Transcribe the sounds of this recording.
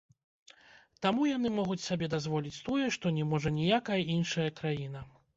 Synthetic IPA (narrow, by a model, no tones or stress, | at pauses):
t̪amujan̪ɨmɔɣut͡sʲsabʲɛd̪azvɔlʲit͡sʲt̪ɔjɛʂt̪ɔnʲɛmɔʐɐnʲijakɐjɐʔinʂɐjɐkɾajinɐ